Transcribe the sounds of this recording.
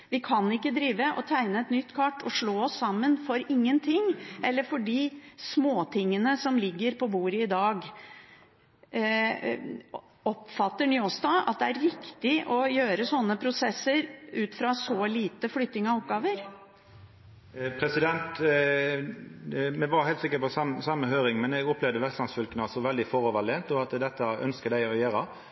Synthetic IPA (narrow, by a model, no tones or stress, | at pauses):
ʋɪkʰɑnɪkːəd̪ɾiːʋəʔɔ̰t̪ʰæɪnəɛt̪nʏt̪ːkʰɑʈːɔʂɭoːɔsːɑmːənfɔɾɪŋːənt̪ʰɪŋɛlːəɾfɔɖiːsmoːt̪ʰɪŋːənəsɔmlɪɡːəɾpʰɔbuːɾəɪd̪ɑːɡ | ɔpfɑt̪ːəɳʏɔːst̪ɑʔɑ̰t̪̚d̪ɛæɾɾɪkt̪ɪʔɔjøːɾəsɔnːəpʰɾʊsɛsːəɾʔʉːt̪fɾɑsɔliːt̪əflʏt̪ːnɪŋɑɔp̚ɡɑːʋəɾ | pʰɾɛsɪd̪ɛnt̪ | mɛʋɑɾhɛɪlt̪sɪkːəpɔsɑmsɑmːəɦøːɾɪŋmɛnɛɡʊplɛʋd̪əʋɛlslɑnsfœlkənəɑsɔʋɛld̪ɪfɔʁɔʋɑlɛːnt̪ɔɑt̪d̪ɛt̪ːəʔœ̰nskəd̪æɪɔjæːɾə